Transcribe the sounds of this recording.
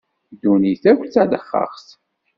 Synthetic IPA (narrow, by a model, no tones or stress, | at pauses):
d̪uniθækʷt͡sːæd̪əχːɑ̰χs